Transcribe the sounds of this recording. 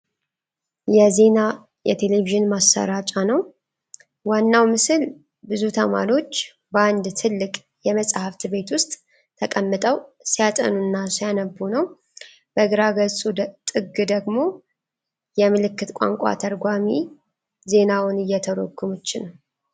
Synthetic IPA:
jɛze̞na | jɛ̰t̪ʰe̞le̞viʒɨnmasːə̰ɾat͡ʃʼanəw | wanːawmɨsɨl | bɨzut̪ʰəma̰ɾio̞t͡ʃː | bəand̪t̪ʰɨlːɨkʼ | jɛməsʼhaft̪be̞t̪wʊst̪ʼ | t̪ʰəkʼəmːɨt̪ʼəwsijat̪ʼə̰nunːasijanəbunəw | b̥əɡɾaɡəsʼut̪ʼɨɡɨd̪əɡmo̞ | jɛmɨlɨkːɨt̪kʷʼa̰ŋkʷʼa̰t̪ʰəɾɡʷami | ze̞nawʊnɨjːɛt̪ʰəɾo̰kʰːumut͡ʃːɪnw

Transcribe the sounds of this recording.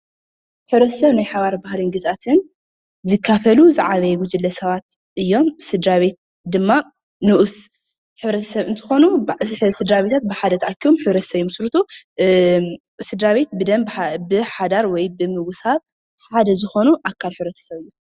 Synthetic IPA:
ħɨβɾɐt̪ʰɐ̥sɐβnajħaβaɾbahliŋɡɨzʔat̪ʰɨn | zɨkʰːafɐluzɨʕaβɐjwʊd͡ʒɨlːɐsɐβat̪ | ʔɨjːo̞msɨd̪ɾaβe̞t̪̚ | d̪ɨmːa | nuʔs | ħɨβɾɐt̪ʰɐ̥sɐβɨnt̪ʰɨ̥xo̞nusɨd̪ɾaβet̪ʰat̪̚bɨħad̪ɐt̪ʰʔakːiβomħɨβɾɐt̪ɐ̥sɐβjimɨsɾɨt̪ʰu | sɨd̪ɾaβe̞t̪bɨd̪ɐmbbɨħad̪aɾwɔjbɨmɨɡshaβ | ħad̪ɐzɨxo̞nuʔakʰːalħɨβɾɐt̪ʰɐ̥sɐβɨjːu

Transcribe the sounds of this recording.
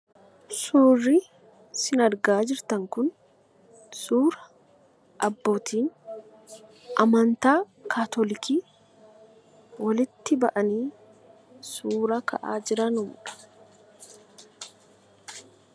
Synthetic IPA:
suːrɪ | sɪnɐɾɡaːd͡ʒɪɾt̪ɐŋkʊn | suːɾɐ | ʔɐbːoːt̪ʰiːn | ʔɐmɐnt̪aː | kʰaːt̪ɔlɪkiː | wɐlɪt̪ːɪbɐ̰ʔɐniː | suːɾɐkɐ̰ʔa̰ːd͡ʒɪɾɐnʊmʊᶑɐ̥

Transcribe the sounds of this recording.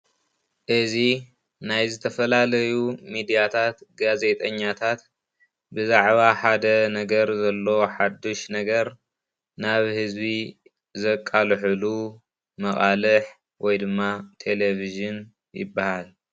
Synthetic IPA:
ʔɨzi | najzɨt̪ʰɐfɐlalɐjumid̪ijat̪ʰat̪ɡaze̞t̪ʼʰɐɲːat̪ʰat̪ | bɨzaʕβaħad̪ɐnɐɡɐɾzɐlːoħad̪ːoʃnɐɡɐɾ | naβhɨzbi | zɐkʼːalħɨlu | mɐχʼalɨħ | wʔɔjd̪ɨmːat̪ʰe̞leviʒɨn | jɪ̰bːahal

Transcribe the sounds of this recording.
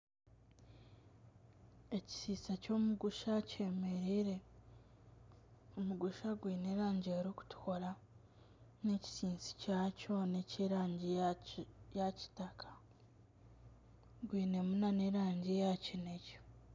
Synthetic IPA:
e̞ci̥sit͡saco̞ːmuɡuʃace̞ːme̞ɾiɾe̞ | omuɡuʃaɡwiːneɾaːɲɟeɾoku̥tu̥ko̞ɾa | ne̞ci̥siːnsi̥caːco̞neciɾaːɲɟi | jaci̥takʰḁ | ɡwiːne̞munane̞ɾaːɲɟijacineco̥

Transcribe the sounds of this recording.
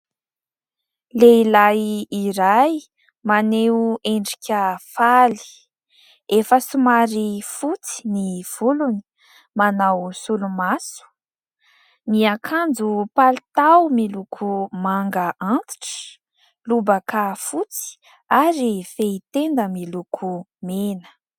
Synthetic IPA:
leilajiɾaj | maneeɳɖ͡ʐi̥kʲəfali̥ | efəsumaɾifut͡si̥niv̥uluni̥ | manawsulumasu̥ | miakʰand͡zupalit̪awmilukʰumaŋɡəʔant̪i̥ʈ͡ʂə̥ | lubəkafut͡si̥ | aɾifeit̪end̪əmilukʰu | menə̥

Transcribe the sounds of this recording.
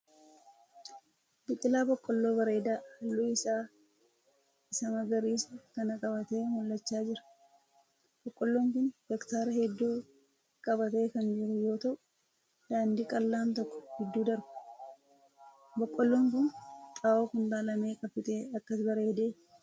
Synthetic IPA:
bɪt̪ʼːɪlaːbɔkʼːɔlːo̞ːbɐɾe̞ːd̪aːhɐlːuːɪsaː | ɪsɐmɐɡɐɾiːsɐkɐnɐkʼɐbɐt̪e̞ːmɔlːɐt͡ʃːaːd͡ʒɪɾɐ̥ | b̥ɔkʼːɔlːoːŋkʊndɛkt̪aːɾɐɦɛd̪ːuː | kʼɐbɐt̪e̞ːkɐnd͡ʒɪɾʊjo̞ːt̪ɐʔʊ | d̪̥aːnd̪iːkʼɐlːaːnt̪ɔkːɔ̥hɛd̪ːuːd̪ɐɾbʊ̥ | bɔkʼːɔlːoːŋkʊnt̪ʼaːʔoːkʊnd̪aːlɐme̞ːkʼɐpːɪt̪e̞ːɐkːɐsbɐɾe̞ːd̪e̞ː

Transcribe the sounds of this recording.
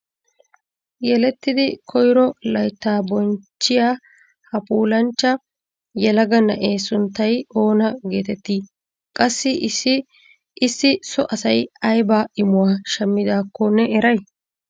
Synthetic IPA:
jɛlɛt̪ːɪd̪ɪkʰɔjɾɔlɐjt̪ːaːbɔnt͡ʃːɪjaː | hɐpʼuːlɐnt͡ʃːɐ | jɛlɐɡɐnɐ̰ʔeːsʊnt̪ːɐjo̞ːnɐɡe̞ːt̪ɛt̪ːiː | kʼɐsːɪʔɪsːɪ | ʔɪsːɪsɔʔɐsɐjɐjbaːʔɪmʊwaːʃɛmːɪd̪aːkːɔnɛɛɾɐj

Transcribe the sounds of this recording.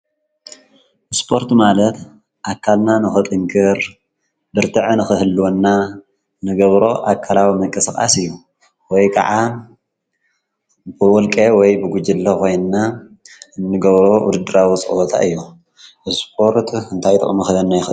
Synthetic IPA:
ʔɨspʰo̞ɾt̪malɐt̪ | ʔakʰːalnanɨxɨt̪ʼɨŋkʰɨɾ | bɨɾt̪ʰɨʕɨnɨxɨhɨlːwonːa | nɨɡɐβɾo̞ʔakʰːalawimɨŋkʼɐskʼa̰sɨjːu | wɔjkʰa̰ʕa | bɨwɔlkʼewɔjbɨɡud͡ʒɪlːɐkʰo̞jnɨna | ɨnːɨɡɐβɾo̞wʊ̰d̪ɨd̪ɨɾawit͡sʼɨ̰wot̪ʰa̰ʔɨjːu | ʔɨspʰo̞ɾt̪ɨnt̪ʰajt̪ʼɨ̰χʼmɨxɨɐnːajɪxɨl

